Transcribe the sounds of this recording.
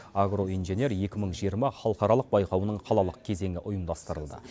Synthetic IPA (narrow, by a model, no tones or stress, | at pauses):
aɡro̞ijnʒe̞ne̞ɾje̞kʲɪməɴʒijəɾmɑχɑlˠqɑɾɑlˠəq̚bɑjqɑwənəɴqʰɑlˠɑlˠəq̚kʲʰe̞ze̞ŋʲɡɪʔʊjəmd̪ɑst̪əɾəlˠd̪ə̰